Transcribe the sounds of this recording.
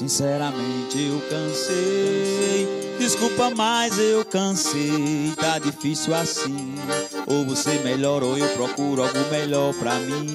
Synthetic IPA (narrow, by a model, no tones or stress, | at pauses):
sĩsɛɾɐmẽnt͡ʃɪewkɐ̃se | j | d̪iskupɐmajzewkɐ̃set̪ad͡ʒ̪ifisiuwasĩ | ovosemeʎɔɾoewpɾɔkuɾʊawɡũmeʎɔɾpɾamĩ